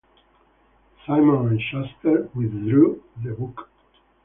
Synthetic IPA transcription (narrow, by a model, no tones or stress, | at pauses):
sajmɔ̃nɹit͡ʃɛst̪əɹwɪðɹuðəbuk